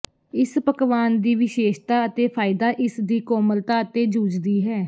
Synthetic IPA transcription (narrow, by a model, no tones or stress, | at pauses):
ɪspəkʋaːnd̪iːʋɪʃeːʃt̪aːət̪eːpʰaːɪd̪aːʔɪsd̪iːkɔːməlt̪aːət̪eːd͡ʒuːd͡ʒd̪iːɦɛː